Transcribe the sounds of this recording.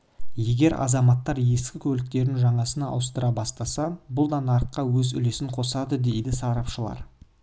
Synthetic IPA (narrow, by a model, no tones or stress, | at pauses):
je̞ɡʲe̞ɾɑ̰zɑmɑt̪ːɑɾje̞skʲɪkʲʰɵlɪk̚t̪e̞ɾɪnʒɑɴɑsənɑ̰wəst̪əɾɑbɑst̪ɑsɑbʊlˠd̪ɑnɑɾət̪̚qːɑwɵzʏ̰le̞sɪɴqʰo̞sɑd̪əd̪e̞jd̪ɪsɑɾɑpʃəlˠɑ̰ɾ